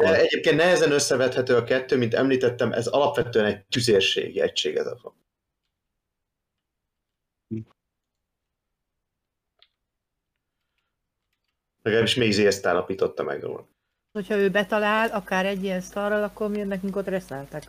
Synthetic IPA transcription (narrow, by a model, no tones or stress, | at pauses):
d̪ɛɛɟeːp̚keːnt̪nɛɦɛzɛnø̞sːɛvɛt̪hɛt̪øːɒkɛt̪ːøːmint̪ɛmliːt̪ɛt̪ːɛmʔɛ̰zɒlɒpvʋɛt̪øːɛnɛc̚t̪yzeːrʃḛːɡiɛ̰cʃḛːɡɛ̰zɛ̰tʋɒ̰n | lɛɡaːbiʃmeːɡzeːst̪a̰ːlɒpiːt̪o̞t̪ːɒmɛ̰ɡro̰ːl | ochɒøːbɛt̪ɒlaːlɒkaːɾɛɟːijɛnst̪ɒrɒlɒkːo̞rmiønnːɛkyŋkot̪rɛsɛlt̪ɛk